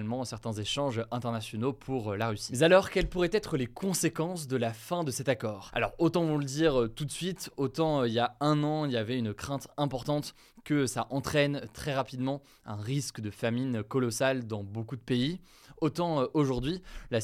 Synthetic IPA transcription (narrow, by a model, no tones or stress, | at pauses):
lmɑ̃sɛʁt̪ɛ̃zeʃɑ̃ʒʔɛ̃t̪ɛʁnasjɔnopʰuʁølaʁysi̥mɛzalɔʁkʲɛlpuʁɛt̪ɛt̪χəlekʰɔ̃sekɑ̃sd̪əlafɛ̃d̪əsɛt̪akɔːʁa̰lɔ̰ʁot̪ɑ̃ɔ̃ləd̪iʁøt̪ut̪sɥit̪ot̪ɑ̃øiljaɛ̃nɑ̃iljavɛynkχɛ̃t̪ɛ̃pɔʁt̪ɑ̃t̪ | kəsaʔɑ̃t̪χɛnt̪χɛʁapid̪mɑ̃ | ɛ̃ʁiskd̪əfaminkɔlɔsald̪ɑ̃bokud̪əpei | ot̪ɑ̃øʔoʒuʁd̪ɥila